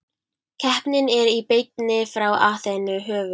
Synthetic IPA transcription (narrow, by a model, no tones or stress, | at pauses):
cʰɛhpnɪnɛɾipejt̪nɪfɾawa̰ːθenʏɦœːvʏ